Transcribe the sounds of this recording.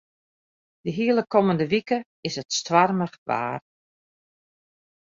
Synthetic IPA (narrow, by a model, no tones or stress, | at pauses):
dəɦiəlˠəkʰɔməndəʋikə | ɪsətstʋarməχʋa̰ːr